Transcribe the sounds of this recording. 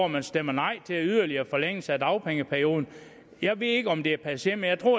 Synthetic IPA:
mænsd̥emɐnɑ̈ɪ̰t͡sʰe̝læyð̞ˠɐliɐfɒ̽leŋ̰əsæd̥ɑ̈ʊpʰeŋəpʰæɐijo̝ːð̞ˠn̩ | jɑ̈ɪʋe̝ðˠe̝ɡ̥əɒ̽md̥e̝æɐpʰæsjeməjɑ̈ɪt͡sʰʁo̝ɐ̰

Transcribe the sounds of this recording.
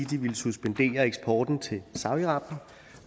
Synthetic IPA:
id̥iʋilsusb̥end̥e̝̰ːɐeɡ̥sb̥ʰɒːd̥n̩t͡sʰe̝sɑ̈ʊiʁɑ̈b̥n̩

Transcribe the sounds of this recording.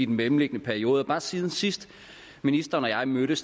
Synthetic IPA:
id̥n̩memm̩le̝ɡ̥ənəpʰæɐio̝ːðˠəb̥ɑ̈ːsiːð̞ˠn̩sisd̥ | minisd̥ɐːnɒ̽jɑ̈ɪmøɾ̥əs

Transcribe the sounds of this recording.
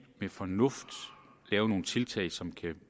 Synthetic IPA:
mefɒ̽nɔ̽fd̥ | lɛːʊno̝ːn̩t͡sʰe̝lt͡sʰɛ̰ɪsɒ̽mkʰæ

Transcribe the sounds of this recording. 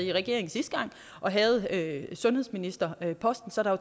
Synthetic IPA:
iʁɛɡ̥e̝̰ɐ̰eŋ̩sisd̥̚ɡ̥ɑ̈ŋ̰ | ʔɒ̽ɦɛð̞̩ˠøsɔ̽nhe̝ðˠsminisd̥ɐøpʰɒ̽sd̥n̩sɒ̽ɾɑʋɑ

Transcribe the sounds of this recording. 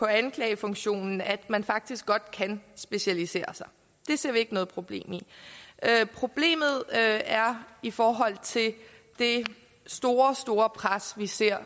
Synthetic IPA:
pʰɒ̽ænkʰlɛːɪəfɔ̽ŋɕo̝̰ːnn̩æd̥mænfɑ̈ɡ̥̚d̥isɡ̥ɒ̽d̥kʰænsb̥e̝ɕælise̝̰ːɐsɑ̈ɪ | d̥e̝se̝ɐ̰ʋie̝ɡ̥ənɔ̽ːðˠpʰʁob̥le̝̰ːmiʔøpʰʁo̝b̥le̝̰ːmð̞̩ˠæɐifɒːɦɒ̽l̰t͡sʰe̝l | d̥e̝ | sd̥o̝ːɐsd̥o̝ːɐpʰʁasʋise̝ɐ̰

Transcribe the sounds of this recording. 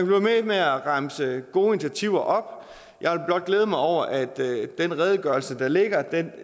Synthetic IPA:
b̥lememeæʁɑ̈msəɡ̥o̝ːi̝nt͡sʰæt͡sʰiʊ̰ɐʔɒ̽b̥ | jɑ̈ʋelb̥lɒ̽d̥̚ɡ̥leːð̞̩ˠmɑ̈ɪɒʊ̰ɐʔæd̥ːenʁɛːð̞ˠəɡ̥ɶɐl̩səd̥ɑ̈le̝ɡ̥ɐd̥en

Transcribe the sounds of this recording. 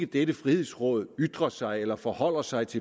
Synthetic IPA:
ɡ̥əd̥edəfʁihe̝̰sʁɔ̰̽ːð̞ˠyd̥ʁɐsɑ̈ɪelɐfɒhɒ̽l̰ɐsɑ̈ɪt͡sʰe̝

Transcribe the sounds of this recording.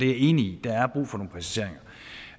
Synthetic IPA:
d̥e̝æɐe̝ːniid̥ææɐb̥ʁṵːfɒ̽no̝ːŋn̩pʰæsæse̝̰ɐ̰eŋɐ

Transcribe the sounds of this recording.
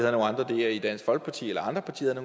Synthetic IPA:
eð̩ˠno̝ːnɑ̈nd̥ʁɐd̥e̝æid̥ænsɡ̥fɒ̽l̰ɡ̥̚pʰɑ̈t͡sʰḭːelɐɑ̈nd̥ʁɐpʰɑ̈t͡sʰḭːðˠɐno

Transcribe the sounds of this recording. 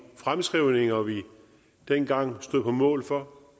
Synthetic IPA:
fʁamsɡ̥ʁiʊ̰ne̝ŋɐʋi | d̥enɡ̥ɑ̈ŋ̰sd̥o̝ð̰ˠpʰɒ̽mɔ̰̽ːlfɒ̽

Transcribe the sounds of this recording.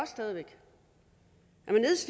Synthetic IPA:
ɒ̽ssd̥ɛð̞ˠiʋeɡ̥ | æmene̝ð̰ˠsl

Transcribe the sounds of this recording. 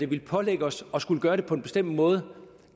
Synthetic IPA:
d̥e̝ʋiləpʰɒ̽leɡ̥əɒ̽sɒ̽sɡ̥uləɡ̥ɶːɐɾe̝pʰɒ̽e̝nb̥e̝sd̥em̰d̥mɔ̽ːð̞ˠə

